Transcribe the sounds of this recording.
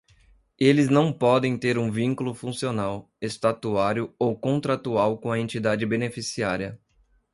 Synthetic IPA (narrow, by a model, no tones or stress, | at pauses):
elɪznɐ̃w̃pɔd̪ẽj̃t̪eɾũvĩŋkulʊfũsionaw | est̪at̪uaɾjʊowkõnt̪ɾat̪uawkõɐẽnt͡ʃid̪ad͡ʒɪbenefisiaɾiɐ